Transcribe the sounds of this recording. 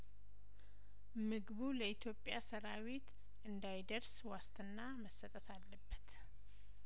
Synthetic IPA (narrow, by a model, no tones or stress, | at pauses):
mɨɡβuləit̪ʰjo̞pʼjasəɾawet̪ | ʔɨnd̪ajd̪əɾswast̪ʰʼɨnːaməsːət̪ʼət̪ʰalːəbːət̪